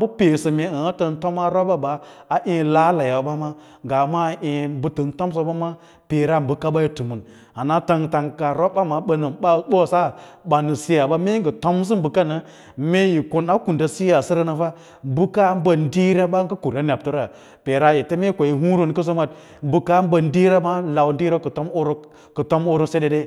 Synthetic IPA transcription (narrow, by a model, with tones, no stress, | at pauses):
bu˦pe˨sə˨me˨ə˨a˦tə˧nto˦ma˦ɾo˦ba˦baː˨ʔẽ˦la˦la˨ja˨ba˦ma˦ | ɡa˨ma˦ʔẽ˧˦bu˦tə˨nto˦ms̬o˦ba˦ma˦ | pe˨ɾa˦˨m˨bɨ˨ka˦ba˦ji˦tu˨mu˨n | a˨na˦ta˧ŋta˧ŋka˨ɾo˦ba˦ma˨ɓə˦nə˨ba˦ɓo˦˨sa˦ba˨nɨ˨si˦ja˨ba˦me˦ɡə˨to˦ms̬i˦bu˨ka˦na˨ | me˦ji˨ko˦na˦ku˨nda˨si˦ja˨si˦ɾa˦na˨fa˦ | m˦bu˦ka˦m˦ba˦˨n˦di˦ɾa˦ba˦ŋɡə˦ku˨ɾa˦nʲ˨a˨p̚tu˦ɾa˨ | pe˨ɾa˦je˨te˦me˦kʷo˨ji˨ɦu˦ɾo˦n˦kə˦s̬o˦ma˨t̚ | m̩˦bu˦ka˦m˦bə˨n˦di˦ɾa˦ma˦la˨wn˦di˦ɾa˦kə˨to˦mo˦ɾ | kə˨to˦mo˦ɾo˦se˦de˨de˦